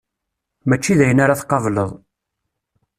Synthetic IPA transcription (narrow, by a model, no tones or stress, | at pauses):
mæt͡ʃːiðæjənaɾaθqːɑvləðˤ